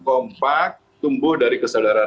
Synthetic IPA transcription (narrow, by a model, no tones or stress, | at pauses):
kɔmpak̚t̪umbʊhdaɾikəsadaɾa